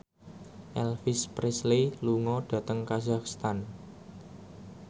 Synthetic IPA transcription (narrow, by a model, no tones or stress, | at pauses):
ʔɛlfɪspɾesleluŋɔɖ̥ä̤t̪əŋkazakst̪an